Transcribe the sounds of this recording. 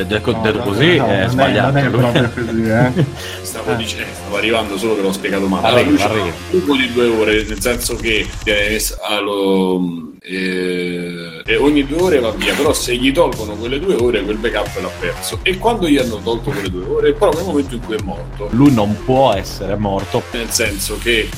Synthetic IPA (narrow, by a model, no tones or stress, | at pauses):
d̪ɛod̪et̪ːokoziɛzbaʎːa̰ːt̪lufei | st̪aːvod̪iːt͡ʃsst̪avoarːivand̪osoːlokelːɔspjeɡaːt̪omaaiuarit̪uːpod̪id̪uːeoːɾenelsɛnsok̟et̪jɛːneesalo | ɛoɲːid̪uːeoːɾevavːiːapeɾɔseʎːit̪ɔlkonokwelːed̪uːeoːɾekwelbekapːɛlapːɛrsoekːwand̪oianːot̪ɔlt̪okoled̪ueoːɾepːeɾɔnːelmoment̪̬oiŋkujɛmːɔrt̪olujnompwɔɛsːeɾemɔrt̪onelsɛnsoke